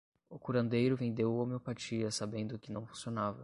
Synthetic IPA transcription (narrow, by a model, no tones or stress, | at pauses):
ʊkuɾɐ̃nd̪ejɾʊvẽnd̪ewomeopat͡ʃiɐsabẽnd̪ʊkɪnɐ̃w̃fũsionavɐ